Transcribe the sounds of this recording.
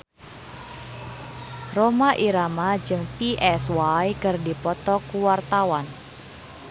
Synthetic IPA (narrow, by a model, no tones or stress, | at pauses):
romaʔiɾamad͡ʒɨŋpiʔɛswajkɨrdipɔt̪ɔkuwart̪awan